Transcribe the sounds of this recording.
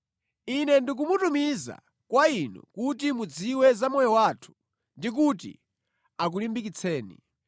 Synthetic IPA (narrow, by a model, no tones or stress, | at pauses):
inɛndik̬umutumiza̰ | kwainṵkutimud͡ziwɛzamɔjɔwaːtʰu̥ | ndik̬utḭ | ak̬ulimbik̬it͡sʰɛːnḭ